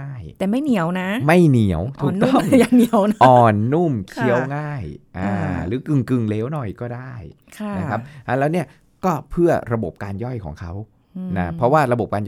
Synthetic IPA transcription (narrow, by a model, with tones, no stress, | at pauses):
aː˥˩jt̪ɛː˨˩ma˥˩jni˨˩˦əwna˦˥ma˥˩jni˨˩˦əwt̪ʰuː˨˩˨kt̪ɔ˥˩˧jaː˨˩ŋni˨˩˦əwnʔɔː˨˩nːu˥˩mkʰi˦˥˦ə˨wŋaː˥˩jʔaː˧˩ɾɯː˩˦kɯ˧ŋkɯ˧ŋleː˦˥wnɔ˨˩jkɔː˥˩daː˥˩j | kʰa˥˩na˦˥kʰa˦˥p̚ʔa˧lɛː˦˥wni˥˩ɐ | kɔː˥˩pʰɯ˥˩ɐɾa˧bo˨˩p̚kaː˧njɔ˥˩jkʰɔ̰ː˩˦ŋkʰa˦˥w | na˦˥pʰɾɔ˦˥waː˥˩ɾa˧bo˨˩p̚kaː˧nj